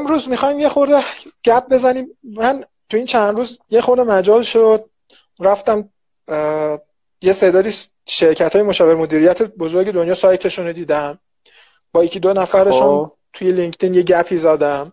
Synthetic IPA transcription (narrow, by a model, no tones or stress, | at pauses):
emɾuːzmixɒːjmje̞xoɾd̪eɟ̥æp̚be̞zæniːmmæn | t̪ʰuiːnt͡ʃʰænd̪ɾuːzjexo̞ɾd̪emæd͡ʒɒːlʃod̪̥̚ | ɾæft̪æm | je̞sed̪ɒːd̪iː | ʃe̞ɾcʰæt̪ʰːjemoʃɒːveɾmo̞d̪iːɾijæt̪ʰebozo̞ɾɟe̞d̪onjɒːsɒjt̪ʰe̞ʃunod̪iːd̪æm | b̥ɒjecʰid̪onæfæɾeʃun | t̪ʰujeliŋkʰt̪ʰiːnjeɟæpʰiːzæd̪æm